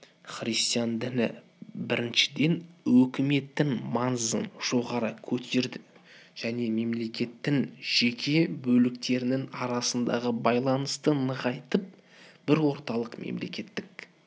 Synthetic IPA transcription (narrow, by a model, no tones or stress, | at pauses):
χɾist̪ijɑnd̪ɪnɪ̰ | bɪɾɪnʃɪ̥d̪e̞nwɵkʲɪme̞t̪ːɪŋmɑnzə̰nʒ̥o̞ʁɑɾəkʲʰɵt̪ʰe̞ɾd̪ɪ | ʒ̥æne̞me̞mle̞kʲe̞t̪ːɪŋʒ̥ekʲʰe̞bɵlɪkt̪e̞ɾɪnɪŋɑɾɑsənd̪ɑ̰ʁəbɑjlˠɑnəst̪ənəʁɑjt̪əp̚ | b̥ɪɾwo̞ɾt̪ɑlˠəqmḛmle̞̰kʲe̞t̪ːɪk